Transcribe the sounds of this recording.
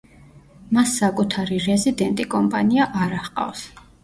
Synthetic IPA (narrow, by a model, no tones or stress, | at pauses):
masːakʼut̪ʰaɾiɾɛzid̪ɛnt̪ʼikʼɔmpʼaniaʔaɾaχqʼa̰ws